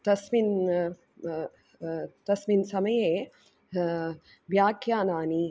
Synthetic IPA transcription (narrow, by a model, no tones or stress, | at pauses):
t̪ɐsmin | t̪ɐsminsɐmɐjeː | ʋjaːkjaːnaːni